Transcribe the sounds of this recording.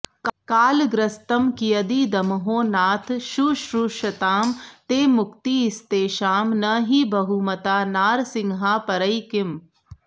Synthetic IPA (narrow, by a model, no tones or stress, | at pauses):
kaːlɡɾɐst̪ɐmkijɐd̪iːd̪ɐmɦoːnaːt̪ʰʃuːʃɾuːʃɐt̪aːmt̪eːmʊkt̪iɪst̪eːʃaːmnɐɦiːbɐɦumɐt̪aːnaːɾsɪŋɦaːpɐɾɐikɪm